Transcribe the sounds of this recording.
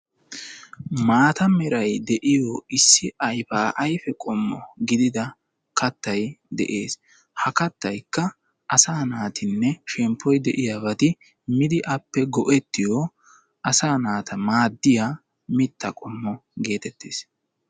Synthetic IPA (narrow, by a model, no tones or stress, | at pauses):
maːt̪ɐmɛɾɐjd̪ɛʔɪjɔɪsːɪʔɐjfaːʔɐjfɛkʼɔmːɔ̰ɡɪd̪ɪd̪ɐ | kɐt̪ːɐjd̪ɛ̰ʔeːs | hɐkɐt̪ːɐjkːɐ | ʔɐsaːnaːt̪ɪnːɛʃɛmpʰːɔjd̪ɛʔɪjabɐt̪ɪ | mɪd̪ɪʔɐpːɛɡɔʔɛt̪ːɪjɔ | ʔɐsaːnaːt̪ʰɐmaːd̪ːɪja | mɪt̪ːɐkʼɔmːɔɡe̞ːt̪ɛt̪ːeːs